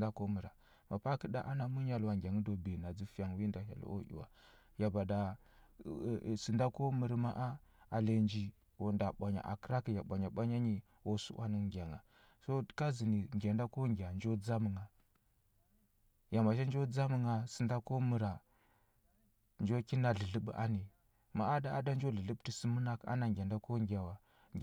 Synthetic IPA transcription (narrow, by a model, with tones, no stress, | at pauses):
da˦ko˦mə˨ɾa˨ | ma˨pa˦kə˦da̰˦ʔa˦na˦mu˦ɲa˨lwa˨ŋɡʲa˨ŋə˦do˨be˨na˨d͡zi˦fi˦ja˨ŋwi˦nda˨ha̰˨l̰o̰˦ʔḭ˨wa̰˨ | ja˨ba˨da˨ | si˨nda˦ko˦mə˨ɾma˦ʔa˦a˨le˨nd͡ʒi˨ | wo˨nda˨ɓʷa˨ɲa̰˨ʔa̰˨kə˦ɾa˦ki˨ja˨ɓʷa˨ɲa˨ɓa˦ɲa˦ɲi˨ | wo˦sṵ˦wʔa̰˦ni˦ŋɡʲa˨ŋa̰˨ | so˦ka˦zi˨ni˨ŋɡʲa˨nda˦ko˦ŋɡʲa˨nd͡ʒo˦d͡za˦mə˨ŋa˨ | ja˨ma˨ʃ̬a˦nd͡ʒo˦d͡za˦mə˦ŋa˨si˨nda˦ko˦mu˨ɾa˨ | nd͡ʒo˦ki˦na˦ɮə˨ɮə˦ɓṵ˦ʔa˦ni˨ | ma˨ʔa˦da˦a˦da˦nd͡ʒo˦ɮə˨lə˦bti˦si˦mu˦na˦ka̰˦na˨ŋɡʲa˨nda˦ko˦ŋɡʲa˨wa˨